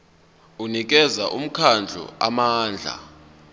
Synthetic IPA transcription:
unik̬ɛzaʔum̩kʰand͡ɮʱɔ̰amaːnd͡ɮʱa̰

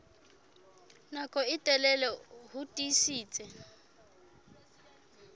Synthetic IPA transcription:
nakʼɔɪtʼɛlɛlɛhʊtʼisiːt͡sʼɛ

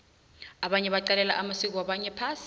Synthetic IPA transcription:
aɓaɲɛɓaǃalɛlaʔamasik̬ʼɔwaɓaɲɛpʰaːsi

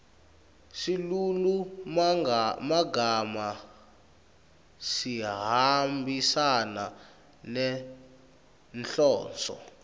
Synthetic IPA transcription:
silulu | maɡama | siɦambʱisana | nɛ | nɬɔːnt͡sɔ̰

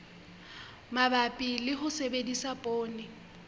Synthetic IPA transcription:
mabapʼilɪɦʊsebedisapʼoːnɪ

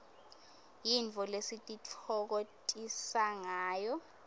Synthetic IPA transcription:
jint͡fɔlesitʼit͡fʰɔk̬otʼisaŋaːjɔ

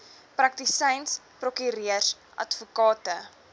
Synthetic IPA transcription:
prɐk̚tisɛjns | prokyɾiərs | ʔɐ̰tfukɑːtə

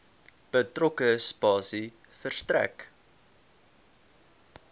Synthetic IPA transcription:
b̥ətrɔkəspɑːsi | fərstɾæ̰k

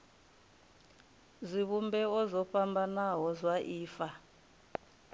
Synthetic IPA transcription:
ziβumbɛɔzɔpʰambʱanaɦɔzwaʔiːfa

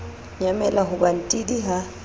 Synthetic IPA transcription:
ɲamɛlaɦʊban̩tʼidiɦa

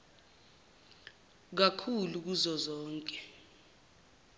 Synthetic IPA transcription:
k̬akʰuluk̬uzɔzɔːŋkʼɛ

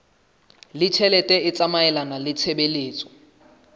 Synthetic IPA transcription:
lɪt͡ʃʰɛlɛtʼɛɪt͡sʼamaɛlanalɪt͡sʰɛbeleːt͡sʼɔ̥

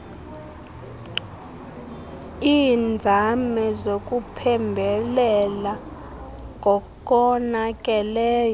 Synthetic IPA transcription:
iːnd͡zʱamɛzok̬ʼupʰɛmbʱɛlɛla | ŋʱɔkɔnakʼɛlɛːjɔ

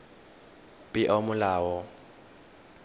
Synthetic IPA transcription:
pʼɪʔɔmʊlaːwɔ

